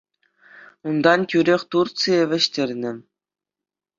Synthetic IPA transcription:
und̪ɑnkʲyɾʲeχʲt̪urt͡sɨeʋʲɘ̆ɕtʲerʲnʲɘ̆

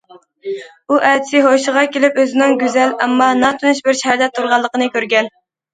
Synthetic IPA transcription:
uʔɛd̪ɪsɪɦoʃəʁɑkʲelɪpøzɪnɪŋɡʲyzɛlɛ̰mːɑnɑt̪ʰunuʃbɪɾʃɛhæɾd̪ɛt̪ʰːuɾʁɑlˠːəqənɨkʲʰøɾɡʲɛn

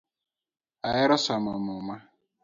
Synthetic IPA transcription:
ajɪɾɔsamamʊma

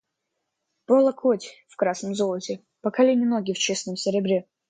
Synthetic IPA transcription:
polˠɐkʰotʲfkɾasnəmzolˠətʲɪ | pəkɐlʲenʲɪnoɡʲɪft͡ɕesnəmsʲɪɾʲɪbɾʲe

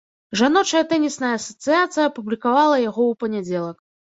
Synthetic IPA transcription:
ʐanɔt͡ʂɐjɐt̪ɛnʲisnɐjɐːsɐt̪sɨjat̪sɨjɐːpublʲikavalˠɐjaɣɔwpɐnʲad͡zʲɛlˠɐk

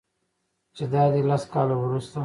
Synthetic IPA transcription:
t͡ʃed̪ɑːd̪ilaskɑːlowɾust̪a

